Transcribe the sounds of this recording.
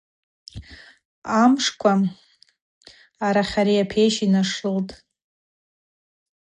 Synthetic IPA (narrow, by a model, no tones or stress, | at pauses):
amʂkʷʰa | aɾaχʲaɾijapʰejʃinaʂɨltʼ